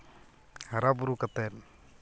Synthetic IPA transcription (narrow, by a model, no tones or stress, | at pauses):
haɾabuɾukat̪ɛn